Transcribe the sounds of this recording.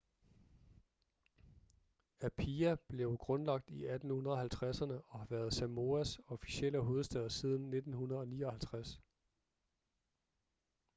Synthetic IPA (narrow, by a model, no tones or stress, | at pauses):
æpʰiæb̥le̝ʊɡ̥ʁɔ̽nlɑ̈ɡ̥̚d̥iæd̥n̩hunɐð̞ˠɒ̽hælt͡sʰʁasɐnəɒ̽hɑ̈ʋæːɐð̞ˠsæmo̝æsɒ̽fi̥ɕel̰əɦo̝ːð̞̩ˠsd̥ɛð̞ˠɐsið̞ˠn̩ːe̝d̥n̩hunɐð̞̩ˠɒ̽niːɒ̽hælt͡sʰʁas